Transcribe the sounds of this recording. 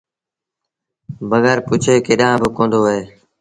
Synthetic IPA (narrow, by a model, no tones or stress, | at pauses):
bəɣɛːɾpʊt͡ʃʰeːkeːɗãːbɪkõːnd̪oːɦɦeː